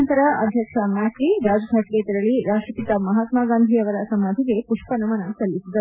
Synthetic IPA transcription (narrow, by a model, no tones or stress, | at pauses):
nt̪ɐɾɐʔɐd̪ʱjɐkʂɐmaːtiɾaːd͡ʒɐɡʱaʈket̪ɐɾɐɭiɾaːʂʈɾɐpit̪ɐmɐɦaːt̪maːɡaːnd̪ʱiɐʋɐɾɐsɐmaːd̪ʱiɡepuʂpɐnɐmɐnɐsɐlːisid̪ɐ